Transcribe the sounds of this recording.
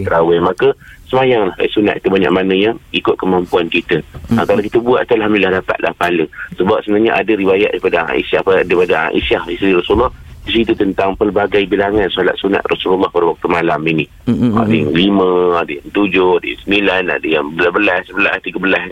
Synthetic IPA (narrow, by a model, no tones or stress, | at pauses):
t̪əɾawɛmakəsəmajaŋlaha̰jsuna̰tʔ̪kit̪ubaɲa̰ʔ̚manəjaŋikʊt̪̚kəmampuankit̪əkalakit̪əbuaʔ̪t̪ualɦamdəlilahdapa̰t̪̚lʔa̰hpaləsəbap̚səənaɲaʔadəɾiwajat̪̚daipada̰ḭsapədaipada̰ʔḭsahisɾiɾɔsullːɑhdis̬it̪ut̪ənt̪aŋpərbaɡajbilaŋansɔla̰t̪̚suna̰t̪rasululːɑhpadawak̚t̪umalamini | a̰dəjaŋliməadəjaŋt̪ud͡ʒʊadəja̰ŋsənilajna̰dəjaŋbəlahbəlassəbəlaht̪iɡəbəlas